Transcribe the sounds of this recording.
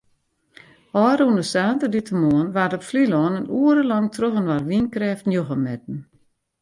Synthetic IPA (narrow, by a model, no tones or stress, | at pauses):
ɔːɾunəsaːtəditəmoənʋatɔpflilɔːnənuəɾəlɑŋtʰroxənʋarʋinkrɛːftnjoxəmɛt̚n̩